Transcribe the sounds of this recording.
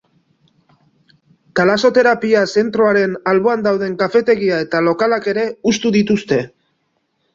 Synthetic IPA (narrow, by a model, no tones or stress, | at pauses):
t̪alaso̞t̪e̞ɾapiase̞nt̪ɾo̞aɾe̞nalβo̞and̪awð̞e̞ŋkafe̞t̪e̞ɣiae̞t̪alo̞kalake̞ɾe̞ust̪uðit̪ust̪e̞